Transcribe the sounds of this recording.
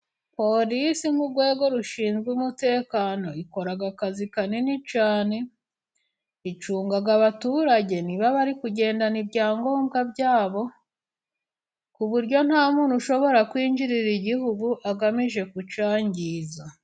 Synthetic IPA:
po̞ɾisimuɡwe̞ːɡo̞ɾuʃiːnzɡuumute̞ːkaːno̞iko̞ɾaɡakazikanenit͡ʃaːne̞ | it͡ʃuːŋɡaɡaβatuːɾaɟe̞niβaβaɾikuɟe̞ːndanibɟaːŋɡo̞ːmɡabɟaːβo̞ | kuβuɾɟo̞n̥haːmuːnhuʃo̞βo̞ɾakwiːɲd͡ʒiɾiɾiɟiɦuɡuʔaɡamiʒe̞kut͡ʃaːɲɟiːza

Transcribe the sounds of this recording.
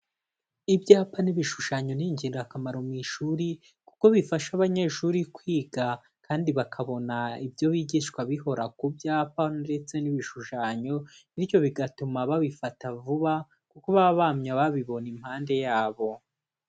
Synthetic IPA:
ibɟaːpaniβiʃuʃaɲo̞niɲɟiːndakamaɾomiʃuɾi | kuko̞βifaʃaβaɲe̞ʃuɾikwiːɡa | kaːndiβakʰaβo̞naibjo̞βiːɟiʃkwaβiɦo̞ɾakubjaːpande̞t͡se̞niβiʃuʃaɲo̞ijo̞βiɡatumaβaβifatavuβa | kuko̞βaβamɲaβaβiβo̞nim̥haːnde̞jaːβo̞

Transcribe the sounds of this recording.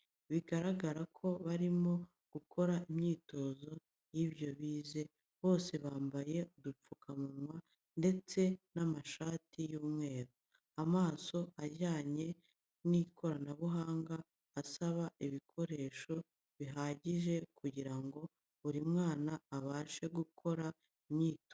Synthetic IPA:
βiɡaɾaɡaɾakʰo̞βaɾimo̞ | ɡ̥ukʰo̞ɾaimɲiːto̞ːzo̞ | jiβjo̞βiːze̞ | βo̞ːse̞βaːmbaje̞udup͡fukʰamumwa | nde̞t͡se̞namaʃaːtʰijuːmŋe̞ːɾu | amaːso̞aɟaːɲe̞ | nikʰo̞ɾanaβuɦaːŋɡaː | saβaʔiβikʰo̞ɾe̞ːʃo̞ | βiɦaːɟiʒe̞kuɟiɾaŋɡo̞ | uɾimŋaːnaːβaːʃe̞ɡukʰo̞ɾa | imɲiːto

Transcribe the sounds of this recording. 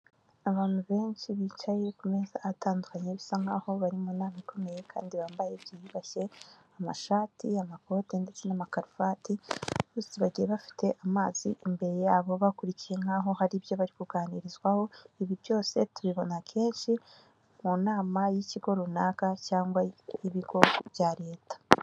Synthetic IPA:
aβaːn̥huβe̞ːnʃiβiːt͡ʃajeekume̞zaatʰaːndukaɲeβisaŋhaːho̞βaɾimuːnaːmaikʰo̞me̞je̞kʰa̰ːndiβaːmbaje̞bjijiβaʃe̞ | ama̰ʃaːtʰiamako̞te̞nde̞t͡se̞namakaɾufatiβusiβaɟijeβafi̥tʰe̞ʔamaːz̥ḭʔimbe̞ɾe̞jaːβo̞βakuɾicije̞ŋ̥aːɦo̞haɾibjo̞βaɾikuɡaːniɾizɡwaho̞iβibjo̞ːse̞tuβiβo̞nakʰe̞ːnʃi | munaːmajiciɡo̞ɾunaːkacaːŋɡwaiβiɡo̞βjaɾe̞ːtḁ

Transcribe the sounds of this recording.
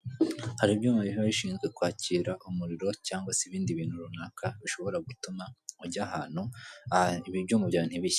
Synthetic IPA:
haɾibjuːmaβiɦaβiʃiːnzɡwe̞kwaːciːɾaʔumuɾiɾo̞caːŋɡwaseβiːndiβiːn̥huɾunaːkʰaβiʃo̞βo̞ɾaɡutumauɾɟaːhaːn̥hu | iβiβjoːmubjaːn̥hiβiç

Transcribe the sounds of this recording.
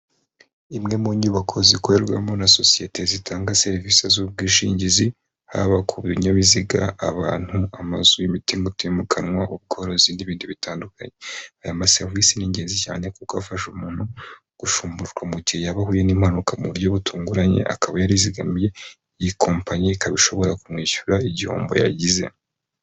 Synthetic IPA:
imŋe̞muɲuːβakʰo̞zikoɾeɾɡwa̰monaso̞sije̞tʰe̞zitʰaːŋɡase̞ɾvisezuβ̚ɡiːʃḭːɲɟizi | ha̰βakʰuβiɲoβiziɡa̰ʔaβaːn̥huamazujimitimutemukʰanŋwaʔuβ̚ɡo̞ɾoziːndiβiːndiβitaːndukaɲe̞ajamase̞ɾvisiniɲɟe̞ːnzica̰ːne̞kukoafaʃumuːn̥hu | ɡ̥uʃuːmbuɾuʒɡwamuɟihejaβaɦuːjeniːmhanukamuβuɾjo̞βutuːŋɡuɾaɲe̞̰ʔa̰kaβajaɾiziɡamje̞ | jikʰo̞ːmpaɲikaβiʃo̞βo̞ɾakumŋiːʃu̥ɾaiɟiho̰ːmbo̞̰ja̰ɟize̞̰

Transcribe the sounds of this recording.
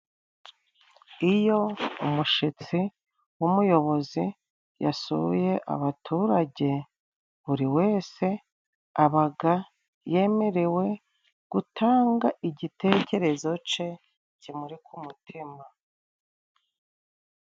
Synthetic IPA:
ijo̞umuʃit͡si | wumujo̞βo̞zi | ja̰suβje̞ʔa̰βatʰuːɾaɟe̞ | βuɾiwe̞ːse̞ | aβaɡa | je̞me̞ɾe̞we̞ | ɡ̥utʰaːŋɡaʔiɟite̞ːce̞ɾe̞zo̞t͡ʃe̞ | cimuɾikumutʰima

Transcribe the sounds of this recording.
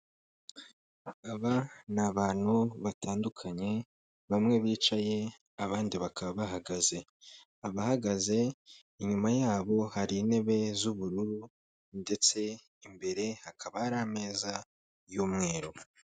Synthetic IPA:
aβanaβaːn̥huβatʰaːndukʰaɲe̞ | βamŋe̞βiːt͡ʃaje̞ | aβaːndiβakaβaβaɦaɡaze̞ | aβahaɡaze̞ | iɲumajaːβo̞haɾiːne̞βe̞zuβuɾuɾu | nde̞t͡se̞ | imbe̞ɾe̞hakʰaβahaɾame̞ːza | juːmŋe̞ːɾo̞

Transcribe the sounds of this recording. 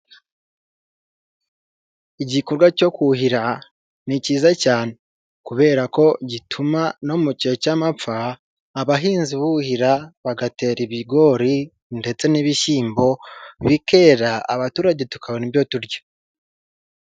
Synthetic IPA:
iɟikoɾɡwaco̞kuhiɾa | niciːzacaːne̞ | kuβe̞ːɾako̞ɟitʰumano̞muce̞camap͡faː | βaɦiːnziβuhiɾaβaɡate̞ːɾiβiɡo̞ɾi | nde̞t͡se̞niβiʃiːmbo̞βike̞ɾaaβatuːɾaɟe̞tu̥kʰaβonibjo̞tuɾɟo̥

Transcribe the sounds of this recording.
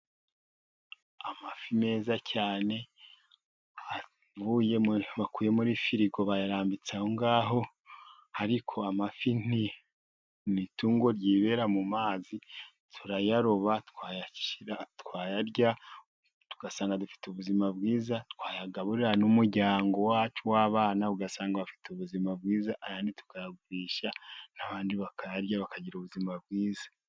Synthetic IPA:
amafime̞ːzacaːne̞ | a | vujeβakuːje̞muɾifiɾiɡo̞βajaɾaːmbit͡sahoŋɡaːɦo̞ | haɾikʰo̞amafin̥i | nituːŋɡo̞ɾɟiːβe̞ɾamumaːzi | tʰuɾajaɾoβatkwaːjaciɾatkwaːjaɾɟa | tu̥ɡ̥asaːŋɡadufi̥tuβuzimab̚ɡiːzatkwaːjaɡaβuɾiɾanumuɾɟaːŋɡo̞waːt͡ʃuwaːβaːnaβuɡasaːŋɡaβafi̥tuβuzimab̚ɡiːzaʔajaːnditu̥kajɡɡwiːʃanaβaːndiβakajaɾjaβakaɟiɾuβuzimabɡiːzḁ

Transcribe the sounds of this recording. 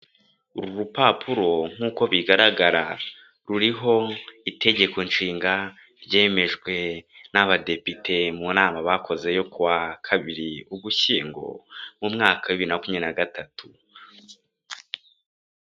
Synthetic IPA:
uɾuɾupapʰuɾo̞ŋ̥uːko̞βiɡaɾaɡaɾa | ɾuɾiɦo̞ite̞ɟe̞ko̞nʃiːŋɡa | ɾɟe̞ːme̞ʒɡwe̞naβade̞pitʰe̞munaːmaβakʰo̞ze̞jo̞kuwakʰaβiɾiuɡuçiːŋɡo̞̰mumŋaːkawiβiɾinakumɲenaɡatatʰu

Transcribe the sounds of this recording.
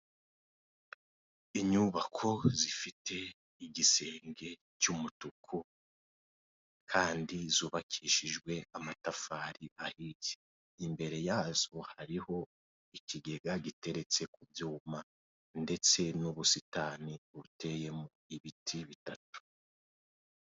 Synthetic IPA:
iɲuβakʰo̞zifitʰe̞ | iɡise̞ːŋɡe̞ | t͡ʃumutukʰu | kʰaːndizuːβakʰiʃiʒɡwe̞amatafaːɾiʔahiz̥i̥ | imbe̞ɾe̞jaːzohaɾiho̞ | ikiɡe̞ɡaɟite̞ɾe̞t͡se̞kuvjuːma | nde̞t͡se̞nuβusitaniβute̞je̞moiβitʰiβitatu̥

